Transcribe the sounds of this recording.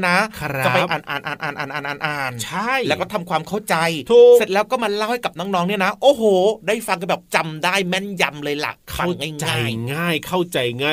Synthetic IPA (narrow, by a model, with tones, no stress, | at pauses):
na˦˥a˧˦pa˧ʔaː˨˩nʔa̰ː˨˩nʔaː˨˩nʔaː˨˩nʔaː˨˩nʔaː˨˩nʔaː˨˩nʔaː˨˩nt͡ɕʰa˥˩jlɛ˦˥kɔː˥˩t̪ʰa˧mkʰwaː˧mkʰa˥˩wt͡ɕa˧jt̪ʰuː˨se˨˩t̪̚ɛː˦˥wkɔː˥˩ma˧laː˦˥˩wha˥˩jka˨˩p̚nɔː˧˥ŋnɔː˦˥ŋni˥˩ɐna˦˥ʔoː˧˩hoː˨˩daː˥˩jfa˧ka˨˩bɛː˨˩p̚t͡ɕa˧mdaː˥˩jmɛ˥˩nja˧mlɤː˧jla̰˨˩ʔkʰa˥˩wŋaː˥˩jŋt͡ɕaaː˥˧jjŋaː˥˩jkʰa˥˩wt͡ɕa˧jŋaː˥˩